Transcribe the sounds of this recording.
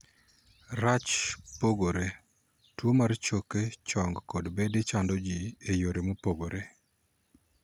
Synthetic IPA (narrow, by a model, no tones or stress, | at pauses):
ɾat͡ʃpoɡoɾe | twomart͡ʃoket͡ʃɔŋɡkɔdbedet͡ʃandɔd͡ʒiejoɾemopoɡoɾe